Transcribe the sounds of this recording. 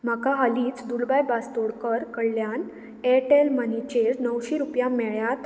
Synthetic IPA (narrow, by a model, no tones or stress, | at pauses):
m̤akaɦəliːt͡sd̪uɽbajbast̪oɽkəɾkəɽljan | eʈelmənit͡ɕeɾnəwɕiɾupjãmɛɭjat̪